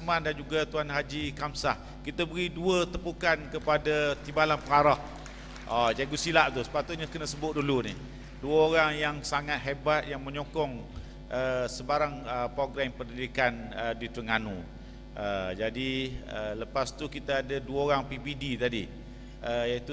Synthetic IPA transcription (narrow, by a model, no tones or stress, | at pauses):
mandand͡ʒuɡat̪uanɦad͡ʒikamsah | kit̪abəɾiduət̪əpukankəpadat̪ibalanpəŋaɾɔh | ʔɔd͡ʒaɡusilaʔt̪usə̥pat̪ʊt̪̚ɲakənəsəbʊt̪̚duluni | duəoɾaŋjaŋsaŋat̪̚ɦebat̪̚jaŋməɲokɔŋ | ʔəsəbaɾaŋəpɾoɡɾampərnidikanədit̪ɾəŋanṵ̃ | ʔəd͡ʒadiələpast̪ukit̪aːdaduwəoɾaŋpipidit̪adi | əjait̪u